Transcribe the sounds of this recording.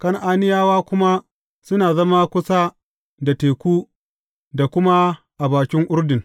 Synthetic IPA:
kɐ˦ŋʔaː˦nɪ˦jaː˦waː˦kʷʊ˦ma˦ | sʊ˦naː˨zɐ˦ma˦kʷʊ˦sa˦ | da˨teː˨kʷuː˦ | da˨kʷʊ˦ma˦ | ʔa˨baː˨kʲɪ˦ŋʔʊ˦rdɪ˨ŋ

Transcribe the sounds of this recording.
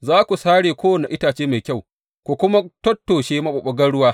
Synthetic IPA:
zaː˦kʷu˨saː˦ɽeː˨kʷoː˦wɐ˨na˨ʔɪ˦taː˨t͡ʃeː˦ma˨jkʲa˦˨w | kʷu˨kʷʊ˦ma˦tɔ˦tːoː˨ʃeː˦ma˦ɓɐ˨ɓɐ˦ɡɐ˦ɽʊ˦waː˦

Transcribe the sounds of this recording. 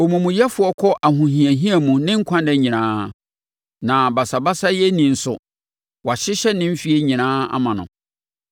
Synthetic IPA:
o˨mũ˨mũ˨jɛ˦fʊ˨˦ɔ˦kʰɔ˦ʔa˨ɦũ˨ɦĩ˨æ˨ɦĩ˦æ˨mũ˨nɪ̃˦ŋ̩˦kʷʰã˦ndɛ˦ɲĩ˨nãː˦ | nã˨ba˨sa˨ba˦sa˦jɛ˦nĩ˨n̩˨sʊ˨ | wa˨ɕɪ˦ɕɛ˦nɪ̃˦m̩˦fi˦e˦ɲĩ˨nãː˦a̰˦mã˨nʊ̰̃˨

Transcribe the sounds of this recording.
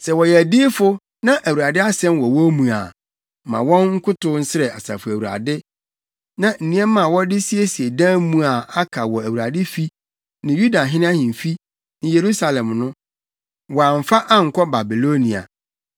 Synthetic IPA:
sɛ˨wɔ˨jɛ˨æ˨di˦fʊ˦ | nã˦ʔæ˨wu˨ɾa˨dɪ˦a˦sɛ̃˦nwɔ˨wɔ̃˦mũ˨a̰˨ | mã̰˨wɔ̃˦nŋ̩˦kʰʊ˦tʊ˦n̩˦sɪ˦ɾɛ˨a̰˨sa̰˨fʊ˨æ˨u˨ɾa̰˨dɪ˦ | nã˨n̩˨nĩ˦ɛ˦mã˨wɔ˦dɪ˦si˦e˦si˨e˨dã˦mũ˦a˨a˦kʰa˨wɔ˨æ˨wu˨ɾa˨dɪ˦fi˦ | nɪ̃˨ju˦da˨ɦɪ̃˦ñ˦a˦hɪ̃˨m̩˨fi˦ | nɪ̃˨je˨ɾu˦sa˨lɛ̃˨mnʊ̃˦ | wɔ˨a˨ɱ̩˨fa˦ʔa˦ŋ̩˨kʷʰɔ˦ba˨bi˨lo˦nĩ˨a̰˨

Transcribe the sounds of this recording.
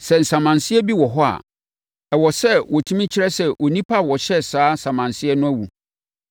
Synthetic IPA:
sɛ˨n̩˨sã˨mã˨nsɪ˦ɛ˦bi˦wɔ˨ɦɔ˦a̰˨ | ɛ˨wɔ˨sɛ˦wʔɔ˨tʰũ˦mĩ˦t͡ɕʰɪ˦ɾɛ˦sɛ˨wʔɔ˨nĩ˦pʰa˦˨wɔ˨ɕɛ˦saː˨˦sã˨mã˨nsɪ˦ɛ˦nʊ̃˦æ˦wu˨

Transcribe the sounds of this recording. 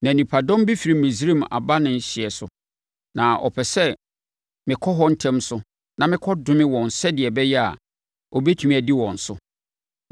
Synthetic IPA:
nã˨nĩ˨pʰa˨dɔ̃˦mbi˦fi˨ɾi˨mĩ˨sɾĩ˦˨ma̰˨ba˦nɪ̃˨n̩˦ɕɪ˨ɛ˨sʊ˨ | nã˨ʔɔ̰˨pʰɛ˨sɛ˦ | mɪ̃˨kʰɔ˦ɦɔ˦n̩˦tʰɛ̃˦msʊ˦ | nã˨mɪ̃˦kʰɔ˦dʊ̃˦mɪ̃˦wɔ̃˨n̩˨sɛ˦dɪ˨ɛ˨bɛ˦jɛ˦a̰˨ | ɔ˨bɛ˦tʰũ˨m̃˦æ˨di˦wɔ̃˨n̩˨sʊ˦

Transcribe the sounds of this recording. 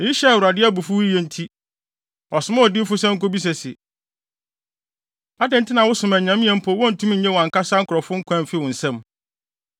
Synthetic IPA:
i˦ɕɛ˦˨wʊ˨ɾa˨dɪ˦ɛ˦bʊ˨fʊ˦wi˦jɛ˦n̩˦tʰi˦ | ɔ˨sʊ˨˦mã˦ɔ˨dɪ˦fʊ˦sɛ̃˦ŋ̩˦ko˦bi˦s̬ɛ˨sɪ˨ | a˦dɪ̃˨n˦tʰɪ˦nã˨wʊ˦sʊ̃˨mæ̃˨ɲã˨mɪ̃˦ɛ̃˨m̩˦pʰɔ˨˦wɔ̃˦n̩˨tʰũ˦m̩˦˨˦ɲɛ̃˦wɔ˨ã˨ŋka˦sa˦ŋ̩˦kʊ˨ɾɔ˨fʊ̃˦ŋ̩˦kʷʰã˦m̩˨fɪ˦wʊ̃˨n̩˨sɛ̃˦m

